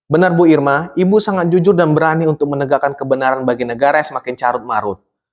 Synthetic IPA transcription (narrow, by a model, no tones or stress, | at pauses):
bənarbuirmaibusaŋat̪̚d͡ʒud͡ʒʊrdanbəɾaniunt̪ʊk̚mənəɡakankəbənaɾanbaɡinəɡaɾajaŋsəmakɪnt͡ʃaɾʊt̪̚maɾʊt̪̚